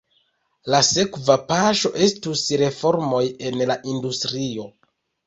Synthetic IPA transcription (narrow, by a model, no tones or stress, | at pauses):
lase̞kvapaʃo̞ʔe̞stusɾe̞fo̞ɾmo̞je̞nlaʔindustɾio̞